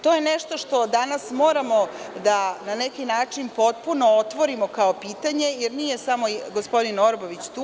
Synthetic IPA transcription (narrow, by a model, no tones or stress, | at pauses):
t̪o̞jeneʃt̪o̞ʃt̪o̞d̪anasmo̞ːɾamo̞ | d̪ananekinaːt͡ʂinpo̞t̪̚puno̞ot̪ʋo̞ɾimokaopiːt̪aɲe̞jeɾnijesamo̞ɡospo̞d̪ino̞ɾboʋit͡ɕt̪uː